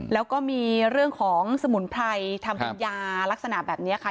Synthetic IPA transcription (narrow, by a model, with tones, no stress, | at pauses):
lɛː˦˥wkɔː˥˩miː˧ɾɯ˥˩əŋkʰɔː˩˦ŋsa˧mu˨˩˦npʰɾa˧jt̪ʰa˧mkʰa˧njaː˧la˦˥k̚sa˧na˨˩bɛː˨˩p̚ni˦˥ɐ˨˩kʰa˥˩